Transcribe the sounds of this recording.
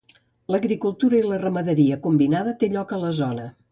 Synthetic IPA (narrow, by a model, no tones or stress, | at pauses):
ləɣɾikulˠt̪uɾəilərəməðəɾiəkumbinaðət̪eʎɔkələzɔnə